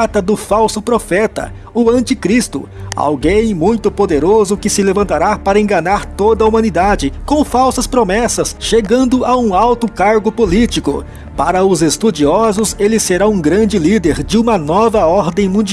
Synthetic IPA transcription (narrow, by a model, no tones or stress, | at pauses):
at̪ɐd̪ʊfawsʊpɾofɛt̪ɐ̰ | ʊɐ̃nt͡ʃikɾist̪ʊ̰a̰wɡẽj̃mũj̃t̪ʊpod̪eɾozʊkɪsɪlevɐ̃nt̪aɾapaɾɐẽŋɡɐnaɾt̪od̪ɐumɐ̃nid̪ad͡ʒɪkõw̃fawsɐspɾomɛsɐsʃeɡɐ̃nd̪ʊʔaũawt̪ʊkaɾɡʊpolit͡ʃikʊ̰ | paɾɐʊzest̪ud͡ʒiɔzʊselɪseɾaũɡɾɐ̃nd͡ʒɪlid̪eɾd͡ʒɪũmɐnɔvɐɔɾd̪ẽj̃mũd͡ʒi